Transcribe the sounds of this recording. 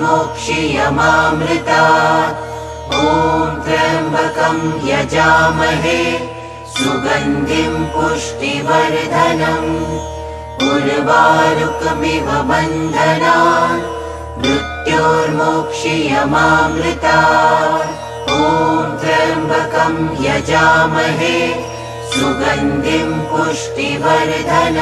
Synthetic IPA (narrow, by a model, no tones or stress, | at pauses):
moːkʂijɐmaːmɾɪt̪aː | oːd̪ɾɐmbʱɐkɐmjɐd͡ʒaːmɐɦe | suɡɐnd̪ʱimpuʂʈiʋɐɾd̪ʱɐnɐm | uɾʋaːɾukmiʋɐbɐnd̪ʱɐnaː | mɾut̪joːɾmoːkʂijɐmaːmɾɪt̪aː | oːd̪ɐɾbʱɐkɐmjɐd͡ʒaːmɐɦe | suɡɐnd̪ʱimpuʂʈiʋɐɾd̪ʱɐnɐ